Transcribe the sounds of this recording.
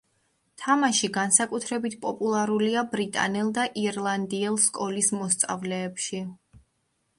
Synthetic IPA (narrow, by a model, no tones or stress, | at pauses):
t̪ʰamaʃiɡansakʼut̪ʰɾɛbit̪ʰpʼɔpʼulˠaɾuliabɾit̪ʼa̰nɛlˠd̪aʔiɾlˠand̪iɛlˠskʼɔlismɔst̪sʼa̰vlɛːpʃi